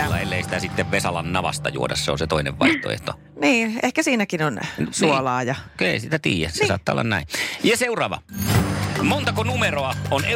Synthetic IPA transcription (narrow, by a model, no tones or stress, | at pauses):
lːɑ̰elːeisi̥t̪æsit̪ːeʋʋesɑlɑnnɑʋɑ̰st̪ɑ̰jṵodɑsseo̰nset̪oinḛʋʋɑˑiht̪o̰ḛht̪o | niːʔehkæsiːnækinonsuolɑːjɑkeˑisit̪æt̪ḭːjæsesɑːt̪ːɑːolːɑ̰nnæĩjɑseurɑːʋɑ̰ | mont̪ɑkonumeroɑone